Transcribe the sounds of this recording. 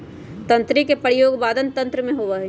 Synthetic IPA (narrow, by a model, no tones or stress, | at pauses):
t̪ɐ̃nt̪ɾikepəɾjoːɡbaːd̪ənt̪ɐ̃nt̪ɾəmẽɦoːʋɐɦe